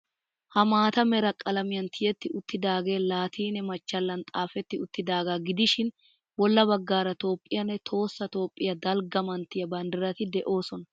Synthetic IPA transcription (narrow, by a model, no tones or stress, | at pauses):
hɐmaːt̪ɐmɛɾɐkʼɐlɐmɪjɐnt̪ʰɪjɛt̪ːɪʊt̪ːɪd̪aːɡe̞ːlaːt̪ʰiːnɛmɐt͡ʃːɐlːɐnt̪ʼaːfɛt̪ːɪʊt̪ːɪd̪aːɡaːɡɪd̪ɪʃɪn | wɔlːɐbɐɡːaːɾɐt̪o̞ːpʼːɪjɐnːɛt̪ʰo̞ːsːɐt̪o̞ːpʼːɪjɐd̪ɐlɡɐmɐnt̪ːɪjɐbɐnd̪ɪɾɐt̪ɪd̪ɛʔo̞ːsɔnɐ